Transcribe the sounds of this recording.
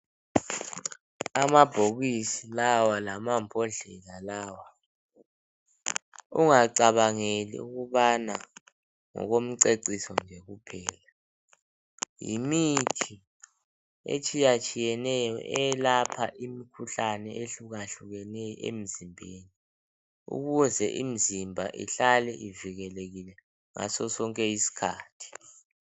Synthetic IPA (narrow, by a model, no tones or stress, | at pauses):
amab̥ʱoɣisilawalamampʰʼɔɮɛlalaːwa | uŋaǀaβaŋelḭuɣuβana | ŋɔ̰ɣom̩ǀeǀisɔnd͡ʒʱɛɣupʰɛːla | jḭmitʰi | ḛt͡ʃʼijat͡ʃʼijɛnɛjɔ̰ʔɛlapʰaʔimikʰuɬanɛʔeɬuɣaɬuɣɛnɛjɔʔḛm̩zimbʱeːni | ṵɣuzɛʔim̩zimbʱa̰ʔḭɬalɛʔiviɣɛleɣilɛ | ŋa̰sɔsɔŋkʼɛjisi̥kʰa̰ːtʰi̥